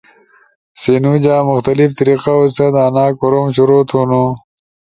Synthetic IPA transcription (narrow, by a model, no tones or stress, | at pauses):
sinud͡ʑaːmʊxt̪ɐlift̪ɐɾiqaust̪ɐd̪aːnaːkoɾomɕuɾoːt̪ʰonu